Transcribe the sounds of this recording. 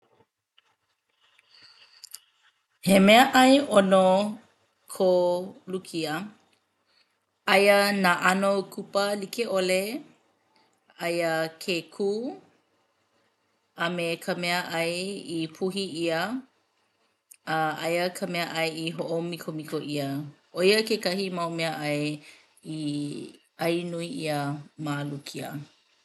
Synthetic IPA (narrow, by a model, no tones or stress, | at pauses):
hemeəʔɐjʔono | kʰolukʰiə | ɐjənaːʔɐnokʰupəlikeʔole | ɐjəkʰekʰuː | ɐmekʰəmɛəʔɐjipʰuɦiiə | əʔɐjəkʰəmɛəʔɐjiɦoʔomikʰomikoʔiə | oiəkekɐhimɐwmeəʔɐj | i | ɐjnuiiəmaːlukʰiə̰